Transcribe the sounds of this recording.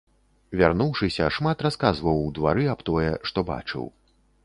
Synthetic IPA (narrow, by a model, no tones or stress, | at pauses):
vʲarnuwʂɨsʲɐʂmat̪raskazvɐwːd̪va̰ɾɨapt̪ɔjɛʂt̪ɔba̰t͡ʂɨ̰w